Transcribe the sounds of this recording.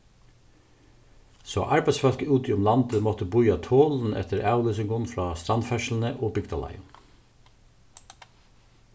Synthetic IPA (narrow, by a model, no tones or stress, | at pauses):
so̰ːʔɑɹbæɪsfɑlkəuːt̪ɪʊmlɑnd̪əmɔt̪əbʊʏɑt̪ʰoːln̩ɛ̰t̪ʰəɾæːlʏsʏŋɡʊnfɾɑːst̪ɑnfɛʃl̩n̩əʔoːbʏɡd̪ɑ̰lɑ̰ɪən